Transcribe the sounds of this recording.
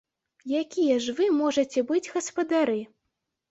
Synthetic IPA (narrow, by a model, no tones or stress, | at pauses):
jakʲijɛʐvɨmɔʐɐt͡sʲɛbɨd͡zʲɣɐspɐd̪aɾɨ